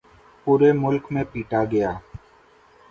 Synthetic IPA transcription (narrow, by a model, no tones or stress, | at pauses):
puːɾeːmʊlkmẽːpiːʈaːɡəjaː